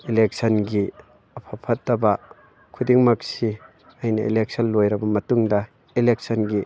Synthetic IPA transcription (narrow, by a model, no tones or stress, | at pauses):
ilek̚sɐnɡi | ɐpʰɐpʰɐtːɐbɐ | kʰudiŋmɐksi | ɐjnɐʔḭlek̚sʰɐnlojɾɐbɐmɐtuŋdɐ | ilek̚sɐnɡi